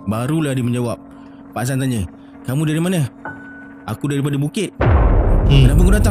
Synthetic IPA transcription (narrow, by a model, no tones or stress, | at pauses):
baɾulahdiməɲd͡ʒawap̚ː | aʔs̬ant̪aɲə | kamũdaɾimanə | a̰kudaɾip̬adabukɪt̪̚ | t̪apikudat̪a